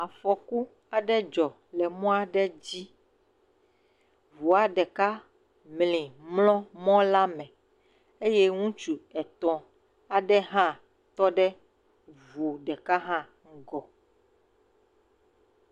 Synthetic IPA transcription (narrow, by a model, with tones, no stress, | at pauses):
a˨fɔ˨ku˦ | a˨ɖɛ˦d͡ʒɔ˨ | lɛ˨mɔ̃˦a˨ɖɛ˦d͡ʑi˦ | vu˨a˨ɖɛ˨ka˦ | mlĩ˨mlɔ̃˦mɔ̃˦la˦mɛ̃˨ | e˦jɛ˦ŋũ˦t͡ʃu˨ɛ˨t̪ɔ̃˨ | a˨ɖɛ˦ɦã˦ | t̪ɔ˦ɖɛ˦ | vu˨ɖɛ˨ka˦ɦã˦ | ŋ̩˦ɡɔ˨